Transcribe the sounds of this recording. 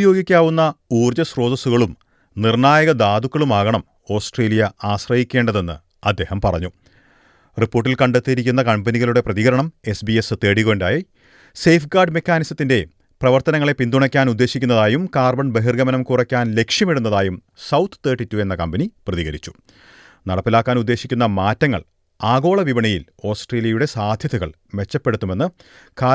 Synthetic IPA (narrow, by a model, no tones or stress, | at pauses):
ujo̞ːɡikʲːaːʋunːɐuːrd͡ʑɐsro̞ːd̪ɐsuɣɐɭum | nirɳaːjɐɣɐd̪aːd̪ukːɐɭumaːɣɐɳɐm | o̞ːsʈreːlijɐaːɕrɐhikʲːe̞ːɳɖɐðe̞nːɨ̰ | ɐd̪ːe̞ːhɐmpɐ̰rɐ̰ɲːu | ripːoːʈːilkɐɳɖet̪ːiɾikʲːunːɐkɐmbɐniɣɐluɽe̞prɐðiɣɐɾɐɳɐme̞sbiesɨt̪e̞ːɽiɣo̞ɳdɖaːji | sejfɡaːrɖme̞kʲːaːnisɐt̪ːinde̞ | prɐʋɐrt̪ɐnɐŋːɐɭe̞pind̪uɳɐkʲːaːnud̪ːe̞ːɕikʲːunːɐðaːjumkaːrbɐɳbeɦirɡɐmɐnɐmkurɐkʲːaːnle̞kʂjɐmeɽunːɐðaːjum | sɐwt̪ʰːɨ̥t̪e̞ːʈːitːue̞nːɐkɐmbɐniprɐðiɣɐɾit͡ɕːu̥ | nɐɽɐpːilaːkːaːnud̪ːe̞ːɕikʲːunːɐmaːtːɐŋːɐ̰ɭ | aːɡo̞ːɭɐʋiʋɐɳɐjḭl | o̞ːsʈreːlijɐjuɽe̞saːd̪ʱjɐðuɣɐ̰ɭ | me̞t͡ɕːɐpːe̞ɽut̪ːume̞nːɨ | ka